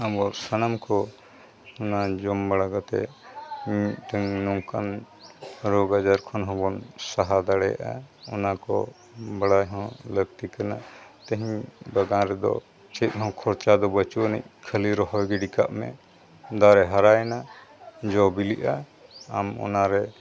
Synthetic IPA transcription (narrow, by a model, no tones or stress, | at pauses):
abɔsənamkɔ | ɔnad͡ʒɔmbaɽaɡat̪ɛ̰miʈ̪əŋnɔŋkan | ɾɔɡad͡ʒaɾkʰɔnɦɔ̃bɔnsaɦad̪aɽɛja̰ʔa̰ɔnakɔ̰ | bəɽajɦɔ̃ləɡt̪ikanat̪əɦiɲbaɡanɾɛd̪ɔ̰ | t͡ʃit̪̚ˀɦɔ̃kʰɔɾt͡ʃad̪ɔbət͡ʃunɛ̰ʔ̚kʰəliɾɔɦɔjɡɛɖikaʔmɛ̰ | d̪aɾɛɦaɾajna | d͡ʒɔbiliʔaː | mɔ̰naɾɛ